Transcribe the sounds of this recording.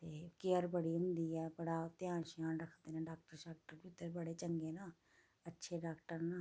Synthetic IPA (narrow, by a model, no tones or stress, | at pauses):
t̪eːkeəɾbəɽiːɦʊ̃nd̪iːɛːbəɽaːt̪ɪjãːʃaːnɾəkʰd̪eːnɛ̃ːɖaːk̚ʈəɾʃaːk̚ʈəɾʊt̪ːəɾbəɽeːt͡ʃəŋɡeːnaː | ətːʃʰeːɖaːkʈəɾnaː